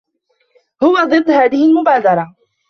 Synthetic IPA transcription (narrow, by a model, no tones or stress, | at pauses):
hʊwad̪ˤɨd̪ːhaːðɪhɪlmʊbaːd̪ɑɾˤɑ